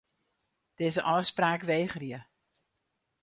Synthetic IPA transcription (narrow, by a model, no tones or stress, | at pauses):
d̥eːzəʔɔwspraːkʋeːχriə